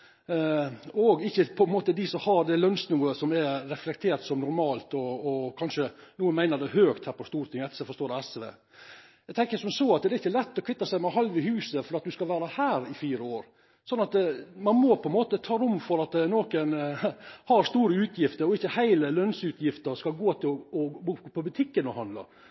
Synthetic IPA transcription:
ɔɡɪçːəpʰɔɛnmoːt̪əd̪ɪsɔhɑɾd̪ɛlœnsnuːəsɔmɛɾɛflɛkt̪ʰeːɾt̪sɔmnʊɾmɑːlt̪ɔːkʰɑnʂənuːənmæɪnəɖ̪ɛhøːkt̪hæːɾpʰɔst̪uːɾt̪ɪŋɛt̪ːəsɛfɔst̪oːdɛɛsʋḛː | æɪɡt̪ɛŋkəsɔmsoːɑt̪d̪ɛɾɪçːəlɛt̪ːɔkʰʋɪt̪ːɑsæɪmɛɦɑlʋɪhʉːsəfɔɾɑt̪̚d̪ʉskɑlʋæːɾɑhæːɾɪfiːɾəoːɾ | sɔnːɑt̪mɑnmɔpʰɔɛnmoːt̪ət̪ʰɑːɾʊmfɔɾɑt̪noːkən | hɑɾst̪uːɾəʉːt̪ʰjɪft̪əɾɔɪçːəhæɪləlœnsʉːt̪ʰjɪft̪əɾskɑlɡoːt̪ʰɪɔbuːpʰɔbʉt̪ʰɪkːənɔhɑnd̪lɑ̰

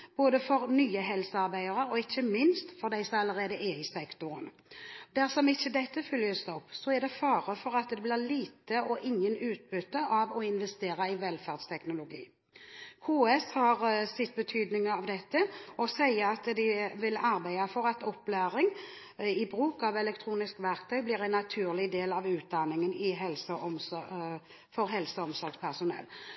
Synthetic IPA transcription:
b̥oːd̪əfɔɾnyːəɦɛlsəɑʁbæɪəʁəɾɔɪçːəmɪnst̪fɔʁd̪æɪsɔmɑlːəʁeːd̪əʔɛɪsɛkt̪ʊɾən | d̪æʁsɔmɪçːəd̪ɛt̪ːəfʏljəsd̪ɛɔpːsɔɛʁd̪ɛfɑːʁəfɔɾʁɑt̪d̪ɛblɪʁliːt̪əɔʔɪŋːənʉːt̪̚bʏt̪ːəʔɑʋɔɪnʋɛst̪eːɾɑɪʋɛlfæʁd̪st̪ʰɛknʊlʊɡḭː | kʰuːɛshɑʁsɪt̪̚ːbət̪ʰyːd̪nɪŋəɑʋd̪ɛt̪ːəɔsæɪəɑt̪d̪ɪʋɪlɑɾbæɪɑfɔɾɑt̪ɔpːlæːɾɪŋ | ɪbɾʉːkɑʋɛlɛk̚t̪ʰɾuːnɪskʋæɾkt̪ʰœʏblɪːʁæɪnːɑt̪ʰʉːʁlɪd̪eːlɑʋʉːt̪̚d̪ɑnːɪŋənɪɦɛlsəɔmsɔ | fɔɾɦɛlsəɔmsɔɾɡspʰæʁsʊnɛ̰l

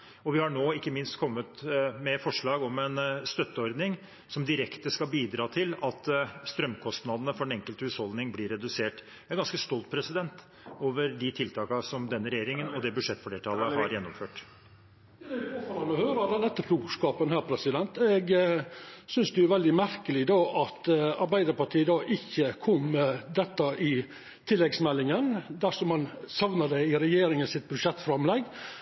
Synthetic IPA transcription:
ɔʋɪhɑɳoːɪkːəmɪnst̪kʰɔmːət̪mɛfɔʂɭɑːɡɔmɛnst̪œt̪ːəɔɾd̪nɪŋ | sɔmd̪ɪɾɛkt̪əskɑlbiːd̪ɾɑːt̪ʰɪlɑt̪st̪ɾœmːkʰɔst̪nɑd̪ənəfɔɖɛnɛŋkəlt̪əhʉːshɔld̪nɪŋblɪɾːɛd̪ʉseːʈ | ɛɡɑnskəst̪ɔlt̪̚pʰɾɛsɪd̪ɛnt̪ | oːʋəɾd̪ɪt̪ʰɪlt̪ʰɑːkɑsɔmd̪ɛnːəɾɛjeːɾɪŋənɔd̪ɛbʉʂɛt̪ːfɔɖeːʈʰɑlːəhɑɾjɛnːɔmføːʈ | d̪ɛfɔfɑɾɑnɔhøːɾɑd̪ɛnɛt̪ːəfʰɾukskɑːpənhæːɾpʰɾɛsɪd̪ɛnt̪ɛɡ | sʏnsd̪ɛʊʋɛld̪ɪmæɾkəlɪd̪ɑːʔɑt̪ɑɾbæɪd̪əɾpɑʈʰiːəd̪ɑːʔɪçːəkʰɔmːɛd̪ɛt̪ːɑʔɪ | t̪ʰɪlːɛɡsmɛlːɪŋənd̪æʂɔmhɑnsɑʋnəd̪ɛɪɾɛjeːɾɪŋənsɪt̪̚bʉʂɛt̪ːfɾɑmlɛɡ

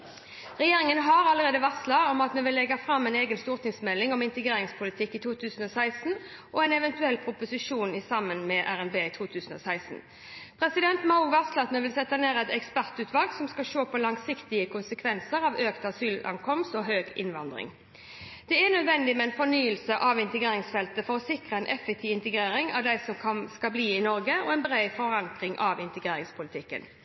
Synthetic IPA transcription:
ʁɛjeːɾɪŋənɦɑɾɑləɾeːd̪əʋɑʁslɑɔmɑt̪mɛʋɪlːɛɡɑfɾɑmːɛɪneːɡənst̪uːʁt̪ʰɪŋsmɛlːɪŋɔmɪnt̪əɡeːɾɪŋspʰʊlɪt̪ʰɪkːɪt̪ʰuːt̪ʰʉːsən̩ɔsæɪsn̩ | ʔɔɛɪnɛʋɛnt̪ʉɛlːpʰɾʊpʊsɪʂuːnɪsɑmːənmɛʔæʁɛnbeːɪt̪ʰuːt̪ʰʉːsən̩ɔ̰sæɪsn̩ | pʰɾɛsɪd̪ɛnt̪mɑʊʋɑʁslɑt̪mɛʋɪlsɛt̪ːəneːʁɛt̪ɛkspæʁt̪ʉːt̪ʋɑlɡsɔmskɑʃoːpʰɔlɑŋsɪkt̪ɪəkʰʊnsəkʰʋɛnsəʁɑʋøːkt̪ɑsyːlʔɑ̰ŋkʰɔmst̪ɔɦøːɡɪ̰nʋɑnd̪ʁɪ̰ŋ | d̪̥ɛænœd̪ʋɛnd̪ɪmɛɛnfɔnyːəlsəʔɑʋɪnt̪əɡʁeːɾɪŋsfɛlt̪əfɔʁɔsɪkʁəɛnʔɛfɛk̚t̪ʰɪʋɪnt̪əɡɾeːɾɪŋɑ̰ʋd̪æɪsɔmkʰɑnskɑlbliːɪnɔɾɡəɔ̰ɛnbɾæɪfɔʁɑŋkʁɪŋʔɑʋɪnt̪əɡʁeːɾɪŋspʰʊlɪt̪ʰɪkːə̰n

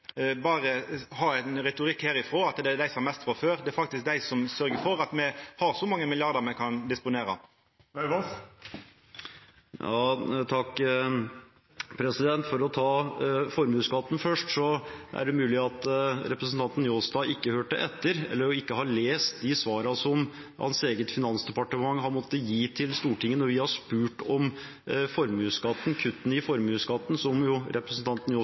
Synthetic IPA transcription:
bɑːɾəhɑɛnɾɛt̪ʊɾɪkːhæːɾɪfʁoːɑt̪d̪ɛæɖ̪æɪsɔmɑmɛst̪fɔføːɾd̪ɛæɾfɑk̚t̪ɪsk̚d̪æɪsɔmsœɾɡəfɔɾɑt̪mɛhɑɾsɔmɑŋːəmɪlɪɑʁd̪ɑmɛkʰɑnd̪ɪspʊneːɾɑ̰ | jɑːt̪ʰɑkː | pʰɾɛsɪd̪ɛnt̪fɔɾɔt̪ʰɑːfɔɾmʉːskɑt̪ːn̩fœʂʈsɔʔæ̰ɖɛmʉːlɪɑt̪ɾɛpɾəsn̩t̪ʰɑnt̪n̩joːsd̪ɑːɪkːəhøːʈəʔɛt̪ːəɾɛ̰lːəɾɪkːəhɑɭeːst̪̚d̪ɪsʋɑːɾɑsɔm | hɑ̰nseːɡət̪fɪnɑnsd̪ɛpɑʈəmɑŋːhɑnmɔt̪ːəjiːt̪ʰɪlst̪uːʈɪŋːənɔʋɪhɑʂpʉːʈɔm | fɔɾmʉːskɑt̪ːnkʰʉt̪ːn̩ɪfɔɾmʉːsɡɑt̪ːn̩sɔmjʊɾʔɛpɾəsn̩t̪ɑnt̪n̩jo

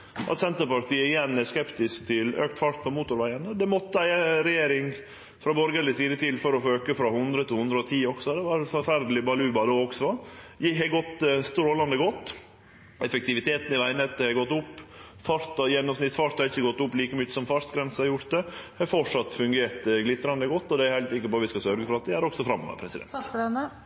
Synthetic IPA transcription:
ʔɑ̰t̪sɛnt̪əpɑɾt̪ʰiːəɪjɛnːæskɛpt̪ɪsk̚t̪ʰɪlø̰ːk̚t̪fɑɾt̪̚pʰɔmuːt̪ʊɾʋæɪənəd̪ɛmɔt̪ːəæɪəɾɛjeːɾɪŋ | fɾɑbɔɾɡəlɪsiːd̪ət̪ʰɪlfɔɾɔfoːøːkəfɾɑhʉnd̪ɾət̪ɪlhʉnd̪ɾəɔt̪ʰiːɔɡ̥sɔd̪ɛʋɑɾfɔɾfæɾd̪lɪbɑlʉːbɑd̪oːɔksɔjɪhɛɡɔt̪ːst̪ɾoːlɑnd̪əɡɔt̪ː | ɛfɛk̚t̪ɪʋɪt̪ʰeːt̪n̩ɪʋæɪnɛt̪̚ɛhɑɡɔt̪ːʊpː | fɑɾt̪ɑjɛnːɔmsnɪt̪sfɑʂt̪hɑɾɪçːəɡɔt̪ːʊpːliːkəmʏt͡ʃːə̥sɔmfɑʂt̪ɡɾɛnsəhɑɾjʊɾt̪̚d̪ɛhɑfɔʂɑt̪ːfʉŋɡeːɾt̪ɡlɪt̪ːɾɑnd̪əɡɔt̪ːɔd̪ɛæɾhæɪlt̪sɪkːəɾpɔːʋɪskɑsœɾɡəfɔɾɑt̪̚d̪ɛæɾɔksɔfɾɑmːɔ̰ʋə̰pʰɾɛsɪd̪ɛ̰nt̪

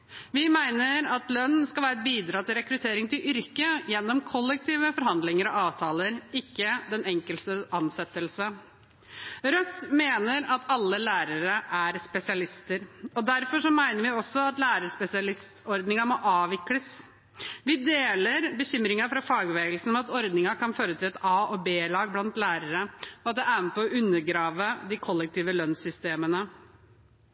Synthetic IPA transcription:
ʋɪmæɪnəɾɑt̪lœnːskɑlʋæːɾəbiːd̪ɾɑːt̪ʰɪlɾɛkɾʉt̪ʰeːɾɪŋt̪ʰɪlʔʏɾkəjɛnːɔmkʰɔlːɛk̚t̪ʰiːʋəfɔɾɦɑnd̪lɪŋəɾɔ̰ɑːʋt̪ʰɑːləɾɪkːəd̪ɛnɛŋkəlst̪əʔɑnsɛt̪ːəlsə | ɾœt̪ːmeːnəɾɑt̪ʰɑlːəlæːɾəɾəʔæɾspɛsɪɑlɪst̪əɾɔd̪æɾfɔʂɔmæɪnəɾʋɪɔsːɔɑt̪læːɾəɾspɛsɪɑlɪst̪ɔɾd̪nɪŋɑmɔʔɑːʋɪkləs | ʋɪd̪eːləɾbəɕʏmɾɪŋɑfɾɑfɑːɡʋeːɡəlsn̩mɛɑt̪ɔɾd̪nɪŋɑkɑnføːɾət̪ʰɪlɛt̪ɑːʔɔbeːlɑːɡ̚blɑnt̪læːɾəɾəɔɑt̪̚d̪ɛʔæːɾnəpʰɔɔʔʉnːəɾɡɾɑːʋəd̪ɪkʰɔlːɛk̚t̪ʰiːʋəlœnsʏst̪eːmənə

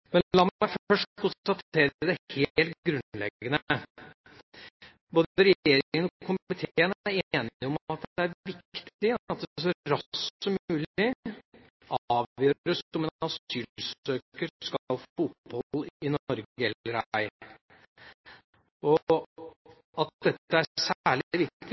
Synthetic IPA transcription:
mɛnlɑmmæɪfœʂʈkʰʊnst̪ɑt̪ʰeːɾd̪ɛheːlt̪̚ɡɾʉnlɛ̰ɡənə | boːd̪əɾɛjjeːɾɪŋŋənɔkʰʊmmɪt̪ʰeːəneːnɪɔmɑt̪̚d̪ɛæɾʋɪkt̪t̪ɪɑt̪̚d̪s̬ɔɾɑssɔmʉːlɪ | ɑːʋjøːɾəsɔmɛnɑsyːlsøːkəɾskɑlfʊt̪̚bɔlɪnɔɾɡəɛlːəɾæɪ | ɔ | ɑt̪̚d̪ɛt̪ːəæsæːɭʋɪkt̪ɪ

